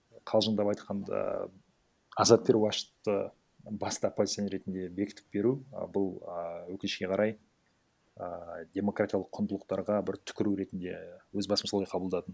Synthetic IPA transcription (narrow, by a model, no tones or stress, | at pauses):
qʰɑlˠʒənd̪ɑpɑjt̪qʰɑnd̪ɑ̰ | ɑzɑt̪̚bʲeɾwɑʃə̥t̪ːə | bɑst̪ɑopːozʲit̪oneɾe̞t̪ɪnd̪e̞be̞kʲɪ̥t̪ʰɪ̥p̚be̞ɾubʊlˠwɵkɪnɪʃkʲe̞qʰɑɾʔɑj | əd̪ʲe̞mo̞krat̪ʲijaɑlˠəqʰːʊnd̪əlˠəq̚t̪ɑɾʁɑbɪɾt̪ʰʏ̥kʲɪɾuɾe̞t̪ɪnd̪e̞̰wɵzbɑsəm̩soɑjqʰɑbəlˠd̪ɑt̪ən